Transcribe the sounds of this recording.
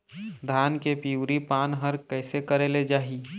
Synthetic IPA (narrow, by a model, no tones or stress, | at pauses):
d̪ʱaːnkepiʊɾipaːnɦəɾkɛɪsekəɾeled͡ʒaːɦi